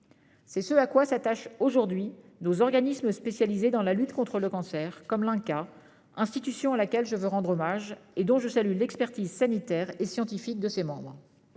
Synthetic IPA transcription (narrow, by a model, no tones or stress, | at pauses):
sɛsəakwasat̪aʃoʒuʁd̪ɥi | nozɔʁɡanisməspesjalized̪ɑ̃lalyt̪kɔ̃t̪χələkɑ̃sɛʁkɔmlɛ̃ka | ɛ̃st̪it̪ysjɔ̃alakʲɛlʒəvøʁɑ̃d̪ʁomaʒed̪ɔ̃ʒəsalylɛkspɛʁt̪izsanit̪ɛʁesjɑ̃t̪ifik̚d̪əsemɑ̃bʁ